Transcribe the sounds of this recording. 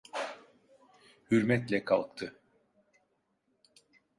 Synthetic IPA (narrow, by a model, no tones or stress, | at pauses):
hyɾmɛt̪lʲɛkʰalˠk̚t̪ʰɯ